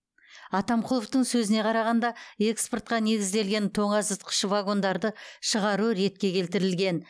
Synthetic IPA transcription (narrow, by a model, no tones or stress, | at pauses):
ɑt̪ɑmqʰʊlˠəft̪əɴsɵzɪne̞qʰɑɾɑʁɑnd̪ɑe̞kspo̞ɾt̪̚qɑne̞ɡʲɪzd̪e̞lɡʲe̞nt̪ʰo̞ɴɑsət̪qʰə̥ʃvaɡo̞nd̪ɑɾd̪əʃəʁɑɾuɾe̞t̪̚kʲe̞kʲʰe̞lt̪ɪɾɪlɡʲe̞n